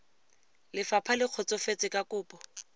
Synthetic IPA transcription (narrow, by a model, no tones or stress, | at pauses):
lɪfapʰalɪq͡χʰɔt͡sɔfet͡sʼɪkakʊːpʼɔ